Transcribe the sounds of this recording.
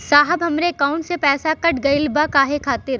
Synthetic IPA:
saːɦəbɦɐmɾekãːʊ̃ɳʈsepɛːsakɐʈɡɐɪlbakaːɦekʰaːt̪ɪɾ

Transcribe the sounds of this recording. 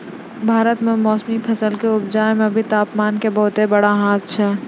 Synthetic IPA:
bʱaːɾət̪mẽmɔːsmipʰɐsəlkeʊb̚d͡ʒaːemẽbʱit̪aːpmaːnkebɐɦʊt̪ebɐɽaɦaːt̪̚ʰt͡ʃʰɛː

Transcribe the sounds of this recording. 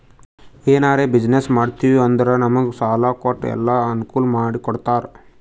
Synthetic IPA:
eːnaːɾeːbid͡ʒnesmaːɽt̪iːʋiɐnd̪ɐɾɐnɐmɐɡusaːlaːkoːʈːɛ̰lːaɐnukuːlɐmaːɽikɔɽt̪aːɾ

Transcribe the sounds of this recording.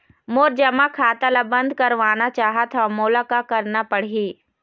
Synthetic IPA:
moːɾd͡ʒɐmakʰaːt̪alabɐ̃nd̪ʱkɐɾʋaːnat͡ʃaːɦət̪ʰɔmʊːlakakɐɾnapɐɽ̤iː

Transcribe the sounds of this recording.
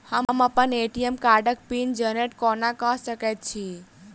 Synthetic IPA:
həmməpəneʈiemkaɾɖək̚pind͡ʒəneʈkɔnakəɦsəkɛt̪̚t͡ʃʰi

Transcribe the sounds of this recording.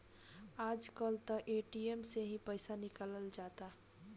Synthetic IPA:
aːd͡ʒkəlt̪əʔeːʈiemseɦĩpəɪsanɪkaləld͡ʒaːt̪a

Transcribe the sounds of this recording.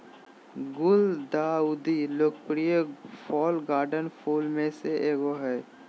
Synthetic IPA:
ɡʊld̪aud̪iloːkpɾijepʰɔːlɡaːɾɖənpʰulmẽseʔeːɡoɦɛː

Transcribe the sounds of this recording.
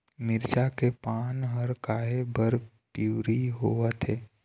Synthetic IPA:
mɪɾt͡ʃakepaːnɦəɾkaːɦebəɾpuːɾiɦoət̪ɦeː

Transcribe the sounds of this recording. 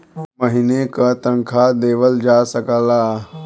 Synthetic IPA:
məɦinekat̪ə̃ŋkʰad̪eːʋəld͡ʒaːsəkəlaː

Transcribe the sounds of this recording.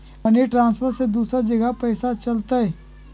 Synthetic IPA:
ɐneʈɾãːnspʰəɾsed̪uːsɾad͡ʒɐɡəpɛːsat͡ʃɐlt̪aɦɛː

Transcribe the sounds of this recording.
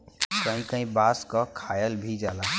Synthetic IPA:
kə̃ɦĩkə̃ɦĩbaːskɔkʰaːjəlbʱid͡ʒaːla

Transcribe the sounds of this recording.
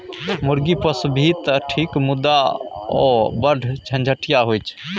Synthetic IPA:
muɾɡipəsbʱit̪əʈʰikmud̪ːaɔ̰bəɖʱt͡ʃʰə̃nd͡ʒʱəʈijaɦojt͡ʃʰ

